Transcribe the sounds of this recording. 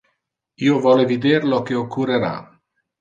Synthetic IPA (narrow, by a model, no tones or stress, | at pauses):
iːovɔlevid̪eɾlokeokʰːureɾa̰